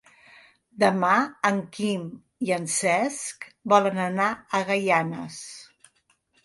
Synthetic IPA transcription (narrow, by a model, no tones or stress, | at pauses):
d̪əmaəŋkim | iənsɛskbɔlənənaəɣəjanə̰s